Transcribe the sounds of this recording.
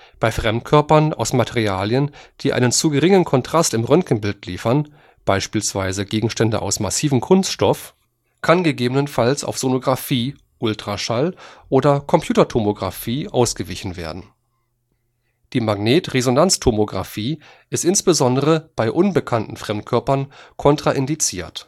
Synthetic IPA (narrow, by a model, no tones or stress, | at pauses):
b̥aɪfʁ̥ɛmt̚kʰœɐpɐna̰ʊsmatʰɛʁiaːljənd̥iːʔa̰ɪnənt͡suɡəʁɪŋənkʰɔntʁ̥astɪmʁœŋkn̩bɪltlḭːfɐn | b̥aɪʃpiːlsv̥aɪzəɡeːɡŋ̩ʃtɛndə̰ʔa̰ʊsmasiːvm̩kʰʊnstʃtɔf | kʰanɡəɡeːbənənfalsʔa̰ʊfz̥onoɡʁafiː | ʔʊltʁ̥aʃalʔoːdɐkʰɔmpʰj̥uːtɐtʰomoɡʁa̰fiːʔa̰ʊsɡ̥əvɪçn̩vḛːɐdn̩ | d̥iːmaɡneːtʁezonant͡stʰomoɡʁa̰fiː | ʔɪstʔɪnsb̥əzɔndəʁəb̥aɪʔʊnbəkʰantn̩fʁ̥ɛmt̚kʰœɐpɐnkʰɔntʁ̥aʔɪndit͡sḭːɐt